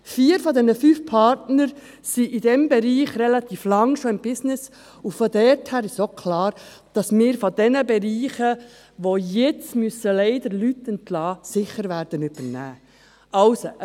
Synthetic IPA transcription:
fiːəɾfɔd̪ɛnəfyːfpʰɑɾtnəɾ | siʔɪd̥ɛmbɛɾiːχrɛlɑt̪iːflɑŋʃoɪmbɪsnɪs | ʊfod̪ɛɾthæːɾɪʃokʰlɑːɾ | d̥ɑsmɪːɾfod̥ɛnəbɛɾiːχə | ʋojɛt͡smyəsəlɛɪd̪əɾlytɛntlɑːsɪχəɾʋæːɾd̥ənyb̥əɾnæ̰ː | ɑʊso

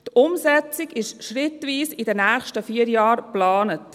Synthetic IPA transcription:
tʊmzɛt͡sɪɡɪʃʃrɪtʋiːsɪdənæːχʃtəfiːəɾjɑːɾrplɑːnət

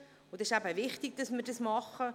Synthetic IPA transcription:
ʊd̪ɪʃæbəvɪχtiɡ̚d̥ɑsməɾdɑsmɑχə

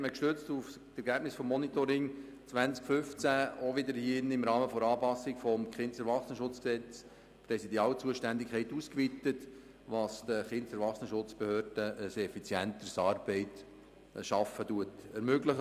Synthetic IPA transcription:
tməkʃtøt͡stuftɛɾɡæːb̥nɪsfɔmːɔnit̪oɾɪŋ | t͡sʋænt͡skfʏft͡sæoʋɪd̪əɾhɪnɪmɾɑːməfɔɾɑːpɑsɪɡfɔmχɪntsɛɾvɑχsnəʃʊt͡sksɛt͡s | prɛsidiɑːlt͡suəʃtændikʰɛɪtuːskvit̪ət | ʋɑsd̥̪əχɪntsɛɾʋɑχsnəʃʊt͡sb̥ehøːɾd̥əəsɛfit͡sjɛnt̪əɾsɑːɾb̥ɛɪt | ʃɑfətuətɛɾmøɡləχə

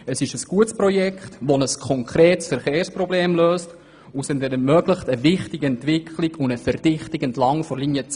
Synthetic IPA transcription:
əsɪʃəsɡ̥uətsprɔjɛkχtʋonəskʰɔŋkʰɾeːtsfɛɾχeːrsprɔbleːmløːst | ʊsɛndɛnɛrmœɡləχtəvɪχtiɡəɛntvɪkχliɡʊndəfɛɾd̥ɪχtiɡɛntlɑŋfɔɾlinjət͡s

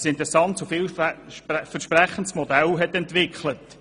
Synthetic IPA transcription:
sɪntɾɛsɑntsofɪw | fəɾʃpɾɛχəntsmɔd̪ɛlɦɛt̪ɛntʋɪkχlət

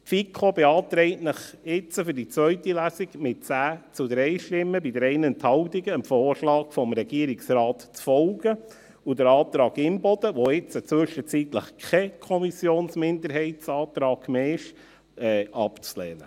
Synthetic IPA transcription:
tfikʰobeɑːtɾɛɪtnəχɪt͡səfʏdit͡sʋœʏtilæsiɡmɪt̚t͡sæːt͡sud̪ɾɛɪʃtɪmːəbidəɾɛɪnənt̪hɑwtiɡəəmfoːrʃlɑːkfɔmɾɛɡ̥iːɾiksɾɑːtt͡sfɔlɡə | udəɾɑːt̪ɾɑːɡɪmbɔd̥̪əʋoɪt͡sət͡sʋʏʃət͡sit̪ləχkʰɛkʰɔmisjoːnsmɪndəɾhɛɪtsɑːt̪ɾɑːɡ̥meːɪʃ | ɛʔɑpt͡slɛːnə

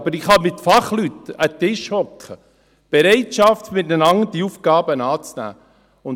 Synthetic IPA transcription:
b̥əɾɪχhɑmɪtfɑχlyt̪ət̪ɪʃhɔkʰχə | b̥ɛɾɛɪtʃɑft̪mɪt̚nənɑŋd̥iufɡɑːbənɑːt͡snæ̰ː | ʊn

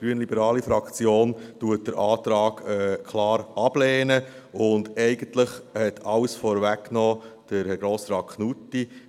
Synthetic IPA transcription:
ɡ̥ɾyənlibəɾɑːlifɾɑkt͡sjoːntuət̚d̥əɾʔɑːtɾɑːɡ̥ɛkʰlɑːɾɑb̥lɛːnə | ʊndɛɪɡ̥əntlɪχhɛtʰɑwsfɔːɾvækːnɔːd̥əɾɡɾoːsɾɑːt̚kʰχnutːi

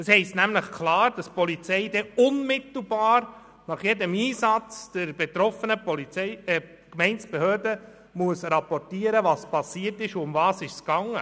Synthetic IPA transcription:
d̥əshɛɪstnæmləχkʰlɑːɾd̥ɑspɔlit͡sɛɪdɛʊnmɪt̪l̩ˠbɑːɾ | nɑχjɛdəmiːsɑt͡sd̥əɾbet̪ɾɔfənə | kmɛɪnsb̥ehøːrdə | muəsɾɑpɔrtiːəɾəvɑːspɑsiərtɪʃʊmvɑːsɪʃskɑŋə̰

